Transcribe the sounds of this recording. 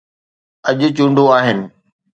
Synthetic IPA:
ɐʄʊ̆t͡ɕũːɳɖoaːɦɪnɪ̆

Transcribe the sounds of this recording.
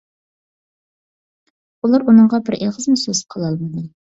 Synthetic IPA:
ulˠɑɾunɨɴʁɑbɪɾʔeʁəzmusøz̥qʰəlˠɑlˠmɨd̪ɨ

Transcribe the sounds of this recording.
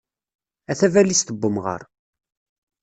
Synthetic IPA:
æθævælist̪əbːəmʁə̰ɾˤ

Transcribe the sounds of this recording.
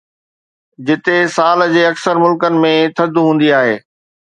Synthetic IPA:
d͡ʑɪt̪esaːld͡ʑeːɐksəɾmʊlkənɪ̆mẽt̪ʰɐd̪ʱɦũːn̆d̪iaːɦeː

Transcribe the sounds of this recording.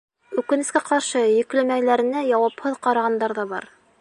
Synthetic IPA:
ʉkɘ̆nɘ̆skæqɑɾʃɤjɘ̆klɘ̆mælæɾɘ̆næjɑwɑphɤðqɑɾɑʁɑnd̪ɑɾðɑbɑ̰ɾ

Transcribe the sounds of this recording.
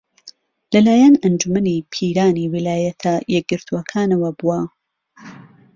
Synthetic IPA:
lɐlaːjɐnɐnd͡ʒumɐnipʰiːɾaːniwilaːjɐt̪ʰɐjɛk̚ɡɨɾt̪ʰuwɐkʰaːnɐwɐbuɐ

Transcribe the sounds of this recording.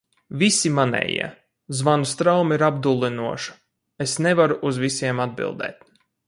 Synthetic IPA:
visimanɛ̰jḭɛ | zvanust̪ɾawmiɾab̚d̪ulˠinuɔʃu̥ | esnevaɾuʔuzvʲisiɛmad̪̚bḭlˠd̪ɛ̰ːt̪̚

